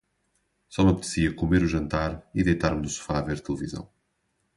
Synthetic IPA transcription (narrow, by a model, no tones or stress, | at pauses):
sɔmɐpd̪ɨsiɐkumeɾuʒɐ̃nt̪aɾiðejt̪aɾmnusu̥faːveɾt̪ɨlˠɨvizɐ̰̃w̃